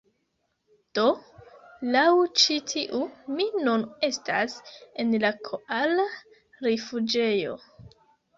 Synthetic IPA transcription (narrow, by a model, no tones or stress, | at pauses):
d̥o̞ | lawt͡ʃitʰiʔuminune̞stase̞nlakʰoʔala | ɾefud͡ʒe̞jo̞̰